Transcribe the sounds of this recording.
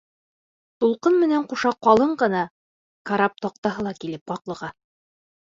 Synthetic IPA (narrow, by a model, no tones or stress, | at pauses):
t̪ulˠqɤnmɘ̆næɴquʃɑqɒlˠɤɴɢɤ̆nɑ | kaɾap̚t̪ɒq̚t̪ɑɦɤlˠɑkilɘp̚bɒqlˠɤ̆ʁɑ